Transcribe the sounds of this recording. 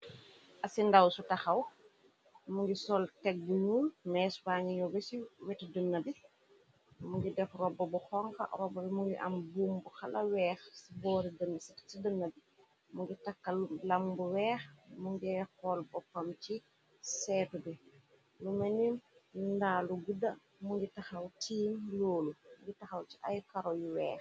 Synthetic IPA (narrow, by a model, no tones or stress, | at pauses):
ʔɐsindawsutɐxɐw | muŋɡisɔltɛk̚bunuːnmɛːsbaɲiɲɔbɛsiwɛtdənːɐbi | muɡidɛfrɔbːɐbuxɔŋkɐ̰rɔbːɐbimuɡiʔɐ̰mbuːmbuxɐlɐwɛːxsibɔːɾidənːsitsidənːɐbi | muŋɡitakːɐlulambuwɛːxmuŋɡixɔlbɔpːɐmt͡ʃi | sɛːtubi | lumɛninndaːluɡudɐ | muŋɡitaxɐwtiːnloːlumuɡitɐxɐwt͡ʃiʔa̰jkaɾɔjuwɛːx